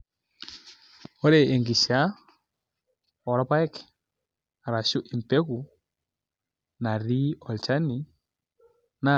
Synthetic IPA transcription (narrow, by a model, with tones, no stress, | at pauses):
ɔ˦ɾe˨e˨ŋɡi˨sa˦ | ɔ˨ɾɔ˦pa˦ɛ˦k | a˨ɾa˨su˦ʔi˨m˨pe˦ku˨ | na˨ɾi˦ɔ˨lt͡ʃa˦ni˨ | na˦